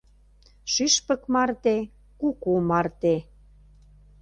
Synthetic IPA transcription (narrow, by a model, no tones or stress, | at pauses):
ʃyʃpə̆kmɑrt̪e | kukumɑrt̪e